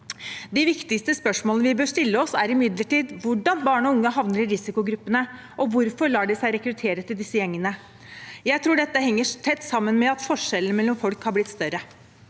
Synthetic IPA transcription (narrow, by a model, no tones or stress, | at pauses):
d̪ɪʋɪkt̪ɪkst̪əspœʂmoːlənəʋɪbøːʂt̪ɪlːəɔsæɾɪmɪd̪ləʈiːd̪ʋʊɖɑnbɑːɳəɔʊŋːəɦɑʋnəɾɪɾɪsɪkʊɡɾʉpːənə | ʔɔʋʊɾfɔɾɭɑːɖɪsæɪɾɛkɾʉt̪ʰeːɾət̪ʰɪld̪ɪsːəjɛŋːənə | jæɪt̪ʰɾuːɖɛt̪ːəɦɛŋːəʈ̪ʰɛt̪ːsɑmːənmɛɑt̪fɔʂɛlən̩mɛlːɔmfɔlkhɑɾb̪ɪt̪ːst̪œɾə